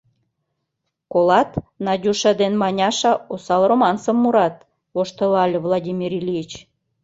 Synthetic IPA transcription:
kolɑt̪nɑdʲuʃɑd̪enmɑnʲɑʃɑosɑlromɑnsəmːuɾɑt̪̚ | βoʃt̪əlɑlʲevlˠɑdʲimʲiɾilʲijit͡ɕ

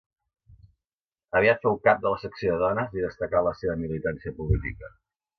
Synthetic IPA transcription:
əβiat̪fɛwkap̚d̪ələsəksijoðəðɔnəziðəst̪əkaləseβəmilit̪ansiəpulit̪ḭkə

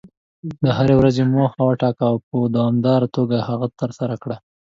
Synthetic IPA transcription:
d̪əɦaɾewɾazemohawəʈɑkawpəd̪awɑmd̪ɑɾat̪oɡahaɣat̪əɾsaɾakɽa

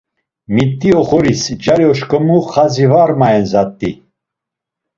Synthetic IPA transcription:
mit̪ʼːiɔχɔɾisd͡ʒaɾjɔʃkʼɔmuχazivaɾmaɛnzat̪ʼːi

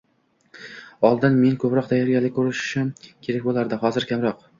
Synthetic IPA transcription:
ɒlˠd̪ɪnme̞nkʰɵpɾɒq̚d̪ʰajɒɾɡʲalɪkʰɵɾɪʃɪ̥ʃamkʲʰe̞ɾakʲbolˠaɾd̪ɪχɒzɪɾkʲʰamɾɒq

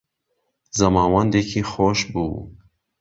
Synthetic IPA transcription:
zɐmɑːwand̪ekʰiːxoʃbṵː

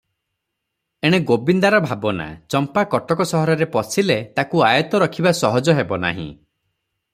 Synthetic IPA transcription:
eɽ̃eɡobind̪aɾɔbʱabɔna̰t͡ʃɔmpakɔʈɔkɔsɔɦɔɾɔɾepɔsʰilet̪akuajɔt̪ɔɾɔkʰibasɔɦɔd͡ʒɔɦebɔna̰ɦḭ̃

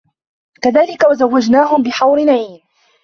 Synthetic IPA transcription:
kaðaːlɪkawazawːad͡ʒnaːɦʊmbɪħawɾɪnaʕiːn

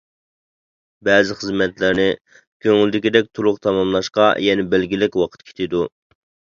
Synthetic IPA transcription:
bɛːzɪχəzmɛt̪lɪɾnɪ | kʲʰøŋyld̪ɪkʲid̪ɛk̚ʲt̪ʰuɾʊqt̪ʰɑmɑmlˠɑʃqɑ̰jɛnɛbɛlɡʲilɪkʲwɑqʰət̪kʲʰe̥t̪ɪd̪u

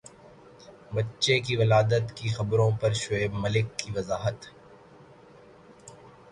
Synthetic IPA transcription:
bɐtːʃekiʋɐlaːd̪ət̪kixɐbɾõpɐɾʃʊeːbmɐlɪkːiʋɐzaːɦət̪

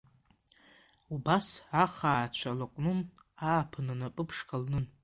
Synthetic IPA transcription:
ubasaχaːt͡ɕʷʰalɨqʷʼnɨnaːpʰɨnɨnapʼɨpʰʂkʰʼalnɨn

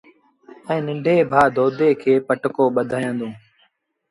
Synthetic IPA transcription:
ɛ̃ːnɪ̃ɳɖʱeːbʱaːd̪ʱoːd̪ʱeːkʰeːpəʈkoːɓəd̪ʱaːjə̃ːnd̪õː

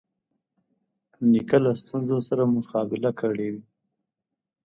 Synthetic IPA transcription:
nikalast̪unzosaɾamʊqɑbɪlakʰəɽewi

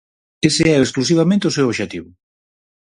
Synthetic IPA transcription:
esɪɛoesklus̬iβ̞amẽnt̪eʊsewoʃet̪iβʊ

